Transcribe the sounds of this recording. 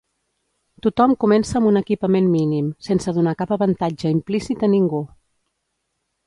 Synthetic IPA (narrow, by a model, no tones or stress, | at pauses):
t̪ut̪ɔmkumɛnsəːmbunəkipəmenminimsensəðunakapəβənt̪ad͡ʒəimplisit̪əniŋɡu